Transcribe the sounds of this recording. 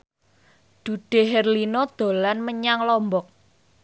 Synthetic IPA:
d̪̥ṳɖ̪̥e̤ɦɛrlinɔd̪̥o̤lanməɲaŋlɔmbɔk̚

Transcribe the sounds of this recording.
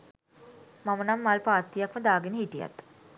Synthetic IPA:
mamənamːalpaːt̪ːijakməd̪aːɡenəɦiʈija̰t̪

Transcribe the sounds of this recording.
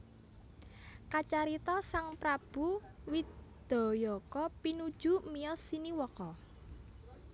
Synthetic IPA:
kat͡ʃaɾit̪ɔsaŋpɾab̥ṳwid̪̥ɔ̤jɔkɔpinud̥ʒ̥umiɔsiniwɔkɔ

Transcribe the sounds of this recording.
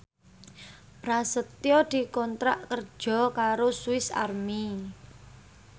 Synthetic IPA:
b̥ɾasət̪jɔd̪̥i̤kɔnt̪ɾaʔkər̥ʒ̥ɔ̤kaɾosuɪsa̰rmi

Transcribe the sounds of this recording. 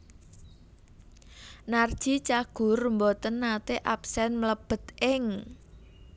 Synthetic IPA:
nard̥ʒ̥it͡ʃaɡ̥ʊ̤rmbɔt̪ənːat̪eʔapsɛnmələb̥ə̤t̪ʔɪŋ

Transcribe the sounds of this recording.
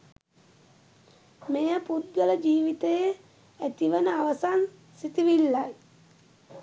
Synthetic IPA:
mejəput̪̚ɡələd͡ʒiːʋit̪əjə | æt̪iʋənəaʋəsan | sit̪iʋilːaj

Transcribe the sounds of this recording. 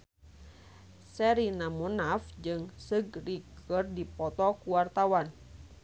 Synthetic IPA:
sɛɾinamunafd͡ʒɨŋsɨɡrikʰərdipɔt̪ɔkuwart̪awan

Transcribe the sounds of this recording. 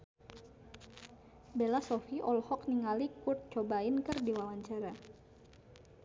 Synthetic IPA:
belasɔfiʔɔlhɔkniŋalikurt̪̚t͡ʃobaɪnkɨrdiwawaɲt͡ʃaɾa

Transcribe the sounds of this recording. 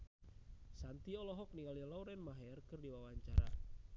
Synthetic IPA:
sant̪iɔlɔɦɔk̚niŋɡalilɔwɾɛnmaɦɛrkɨrdiwawaɲt͡ʃaɾa̰

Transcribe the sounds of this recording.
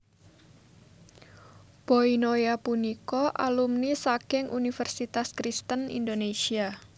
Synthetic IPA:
b̥oinojapunikɔʔa̰lumnisakɪŋʔunifɛrsit̪askɾist̪ənḭnd̪onesia

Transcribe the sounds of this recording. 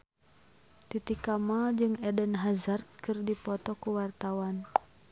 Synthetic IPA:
t̪it̪ikamad͡ʒɨŋɛdənɦazart̪̚kɨrdipɔt̪ɔkuwart̪awan

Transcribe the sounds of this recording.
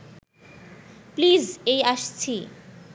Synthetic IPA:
pliːzejaʃt͡ɕʰi

